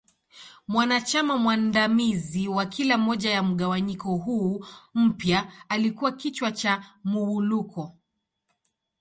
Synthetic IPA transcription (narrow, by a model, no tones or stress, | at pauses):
mwanat͡ʃamamwandamiziwakʰilamɔʄajam̩ɠawaɲikɔɦuːm̩pjaalikuwakit͡ʃwat͡ʃamuwulukɔ